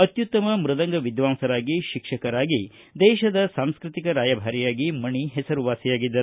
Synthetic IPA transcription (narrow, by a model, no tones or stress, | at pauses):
ɐt̪jut̪ːɐmɐmɾɨd̪ɐŋɡɐʋid̪ʋaːmsɐɾaːɡiʃikʂɐkɐɾaːɡi | d̪ɛːʃɐd̪ɐsaːmskɾɨt̪ikɐɾaːjɐbʱaːɾijaːɡimɐɳiɦɛsɐɾuʋaːsijaːɡid̪ːɐɾu